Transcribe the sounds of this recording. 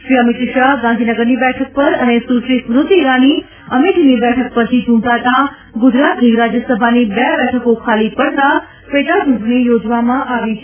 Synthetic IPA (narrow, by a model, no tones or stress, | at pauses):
ʃɾiəmit̪ʃaɦɡãnd̪ʱinəɡəɾnibɛʈʰək̚pəɾənesuʃɾismɾʊt̪iːɾani | əmiʈnibɛʈʰək̚pəɾt͡ʃʰid͡ʒũɳʈ̪at̪a | ɡʊd͡ʒɾat̪niɾad͡ʒjəsəbʱanibɛbɛʈʰəkokʰalipəɽt̪a | pet̪at͡ʃũʈnijod͡ʒʋamãʔaʋit͡ʃʰe